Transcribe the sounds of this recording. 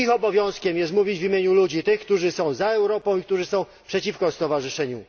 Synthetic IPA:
ixɔbɔvʲjɔ̃w̃skʲɛmjɛst̪muvʲid͡ʑvʲimʲjeɲulud͡ʑit̪ɘxkt̪uʐɘsɔ̃w̃zaɛwɾɔpɔ̃w̃ik̚t̪uʐɘsɔ̃w̃ | pʂɛt͡ɕifkɔst̪ɔvaʐɘʂɛɲu

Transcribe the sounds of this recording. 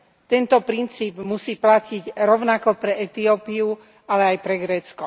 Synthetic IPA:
t̪ɛnt̪ɔpɾint͡siːbmusiːplaciɟɾɔʊnakɔpɾɛɛt̪iɔpiu | alɛajpɾɛɡɾɛːt͡skɔ

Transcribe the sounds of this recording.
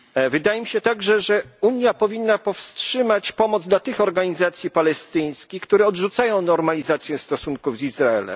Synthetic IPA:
vɘd̪ajɛmʲiɕɛt̪aɡʐɛʐɛuɲjapɔvʲinːapɔfstʂɘmat͡ɕpɔmɔd̪zd̪lat̪ɘxɔɾɡaɲizat̪sʲjipalɛst̪ɘj̃skʲixkt̪uɾɛɔdʐut̪sajɔ̃w̃nɔɾmalʲizat̪sʲjɛst̪ɔsunkuvzizɾaɛ̰lɛ̰m

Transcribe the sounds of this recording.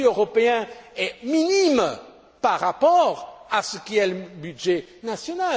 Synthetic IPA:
øʁɔpeɛ̃ɛminim | paʁːapɔʁasəkʲiɛləbydʒɛnasjɔna

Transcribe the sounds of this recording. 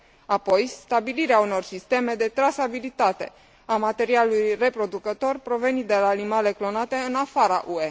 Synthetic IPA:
apo̞jst̪abiliɾeauno̞rsist̪e̞me̞d̪e̞t̪ɾasabilit̪at̪e̞̰ | amat̪e̞ɾialujre̞pɾo̞d̪ukət̪o̞rpɾo̞ve̞nid̪e̞laːnimale̞klo̞nat̪e̞ɨnafaɾa̰ʔue̞

